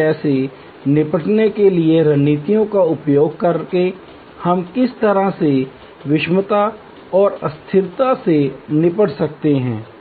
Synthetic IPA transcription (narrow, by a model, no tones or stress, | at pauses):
ɛːse | nɪpəʈnekelieɾɐnːiːt̪ijõkaʊpjoːɡ̚kɐɾke | hɐmkɪst̪ɐɾaɦse | ʋɪʃmət̪a | ɔːɾɐst̪ʰɪɾt̪asenɪpəɽsɐk̚t̪eɦɛ̰̃ː